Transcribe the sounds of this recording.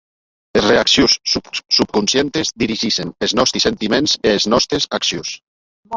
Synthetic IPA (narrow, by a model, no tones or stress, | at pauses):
esreaksjussup̚kunsjent̪ezd̪iɾiʒiʃeneznɔst̪ɾisent̪imenzeːznɔst̪ɾezaksjus